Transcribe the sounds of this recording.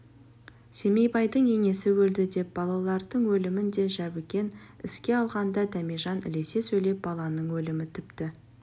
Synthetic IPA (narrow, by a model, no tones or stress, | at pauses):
se̞me̞jbɑjd̪əɴe̞ŋe̞sɪwɵld̪ɪd̪e̞p̚b̥ɑlˠɑlˠɑɾd̪əɴwɵlɪmɪnd̪e̞ʒæbɪkʲe̞nɪ̰skʲe̞ɑlˠʁɑnd̪ɑd̪æmiʒɑnɪ̰le̞se̞sɵjle̞p̚bɑlˠɑnəɴwɵlɪmɪt̪ʰɪpt̪ɪ